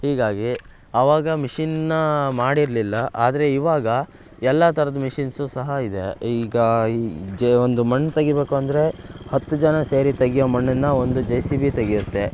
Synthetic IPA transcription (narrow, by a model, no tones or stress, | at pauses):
hiːɡaːɡi | ɐʋaːɡɐmiʂinnɐmaːɽiɾlilːɐʔaːd̪ɐɾe̞iʋaːɡɐ | ɛlːɐt̪ʰɐɾɐd̪ɐmiʂinsusɐɦɐid̪e̞iːɡɐd͡ʒond̪umɐɳːt̪ɐɡibeːkuɐnd̪ɐɾe̞hɐt̪ːud͡ʒɐnɐseːɾit̪ɐɡijoːmɐɳːɐnːɐo̞nd̪ud͡ʒɐjsibit̪ɐɡijut̪ːe̞